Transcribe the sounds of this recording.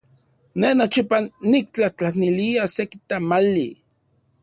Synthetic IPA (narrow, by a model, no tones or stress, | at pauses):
nenot͡ʃipanik̚t͡ɬaht͡ɬahniliasekit̪amali